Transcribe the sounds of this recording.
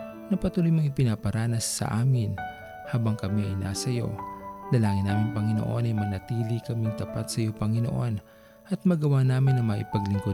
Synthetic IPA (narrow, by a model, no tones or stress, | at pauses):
nɐpɐt̪uːlojmɐŋɪpɪnapɐɾaːnɐsːɐ̰ʔaːmɪn | haːbɐŋkɐmiɐ̰jnaːsɐjo̞̰lɐlaːŋɪnːaːmɪŋpɐŋɪno̰ʔo̞nɐjmɐnɐt̪iːlikɐmɪŋt̪ɐpat̪sɐjo̞pɐŋɪno̰ʔo̞n | ʔɐt̪̚mɐɡɐwaːnaːmɪnːɐŋmɐʔɪpɐɡlɪŋko